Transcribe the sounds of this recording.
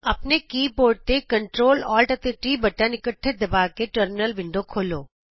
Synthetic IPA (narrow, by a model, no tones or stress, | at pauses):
ɐpnekiːpoːɾʈ̚t̪ekɐɳʈɾoːlɔːlʈɐt̪eʈɾiːbɐʈãnɪkəʈʰːed̪ɐbaːkeʈəɾmɪnəlʋɪ̃ɳɖokʰoːloː